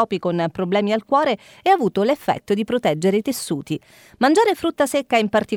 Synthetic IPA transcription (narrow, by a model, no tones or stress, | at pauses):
ɔːpikonpɾoblɛːmialkwɔːɾe | ɛavuːt̪olefːɛ̰t̪ːod̪ipɾot̪ɛd͡ʒːeɾeit̪esːuːt̪i | mand͡ʒaːɾefɾut̪ːasekːaimpart̪i